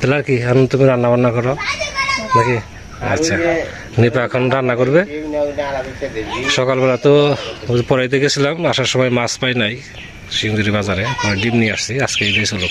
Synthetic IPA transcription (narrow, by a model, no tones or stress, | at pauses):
t̪ɛlaɾkianut̪umiɾanːabanakɔɾɔ | naki | asʰa | nipakʰɔnɾanːakoɾbe | ʃɔkalbɛlat̪ɔ | pɔɾajd̪ekʰisilamasaɾsɔmɔjmaspajnaj | siuŋzuɾibazaɾet̪aɾaɖibnijasiaskejbajsolok